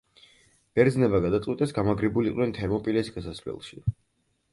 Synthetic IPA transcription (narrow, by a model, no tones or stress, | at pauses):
b̥ɛɾd̪znɛbaɡad̪at̪sʼwit̪ʼɛsɡamaɡɾibuliqʼwnɛnt̪ʰɛɾmɔpʼilɛsɡasasvlɛ̰lˠʃi